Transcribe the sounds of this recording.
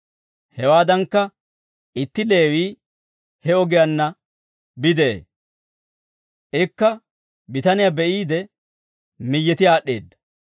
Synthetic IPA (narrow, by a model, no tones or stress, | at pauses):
hɛwaːd̪ɐŋkːɐ | ɪt̪ːɪle̞ːwiː | hɛɔɡɪjɐnːɐ | bɪd̪eḛ | ʔɪkːɐ | bɪt̪ɐnɪjabɛʔiːd̪ɛ | mɪjːɛt̪ɪaːɗːe̞ːd̪ːɐ̥